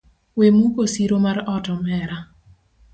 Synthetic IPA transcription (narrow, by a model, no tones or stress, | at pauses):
wemukosiɾomaɾɔtɔmɛɾa